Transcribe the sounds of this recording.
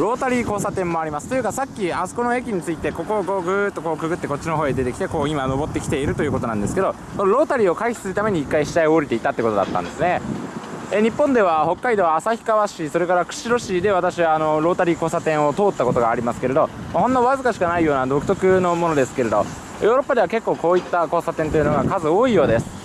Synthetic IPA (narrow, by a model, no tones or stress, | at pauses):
ɾo̞ːt̪aɾʲiːko̞ːsat̪ẽ̞mːo̞aɾʲimasɨ̥t̪o̞jɯ̟kasakʲːiaso̥ko̞no̞e̞kʲiɲ̟it͡sɨit̪e̞ko̞ko̞ːɡo̞ːɡɯ̟t̪ːo̞ko̞ːkɯ̟ɡɯ̟t̪ːe̞ko̞tt͡ɕːino̞ɦoːed̪e̞t̪e̞kʲi̥t̪e̞ko̞ːimano̞bo̞t̪ːe̞kʲi̥t̪e̞iɾɯ̟t̪ojɯ̟ko̞t̪o̞nãnd̪esɨ̥ke̞d̪o̞ | sonoɾo̞ːt̪aɾʲiːo̞kaiçi̥sɨɾɯ̟t̪ame̞ɲ̟iːkːaiɕi̥t̪aioɾʲit̪e̞it̪at̪ːeko̞t̪o̞d̪a̰t̪ːã̰nd̪e̞sɨne̞ | eɲ̟ipːõnd̪e̞β̞aho̞kːaid̪o̞βaːsaçi̥kaβaɕiso̞ɾe̞kaɾakɯ̟̥ɕiɾo̞ɕiːd̪e̞β̞at̪aɕiβaːno̞ɾo̞ːt̪aɾʲiko̞ːsat̪ẽɰ̃o̞t̪o̞ːt̪ːako̞t̪oɡaːɾʲimasɨ̥ke̞ɾe̞d̪o̞maɦonːoβazɨkaɕi̥kanaijo̞ːnad̪o̞kɯ̟t̪o̞kɯ̟no̞mo̞no̞d̪e̞sɨ̥ke̞ɾe̞d̪o̞̰ | joːɾo̞pːad̪e̞βake̞kːo̞ːko̞ːit̪ːako̞ːsat̪ẽnt̪o̞jɯ̟no̞ɡakazɨo̞ːijo̞ːd̪e̞sɨ̥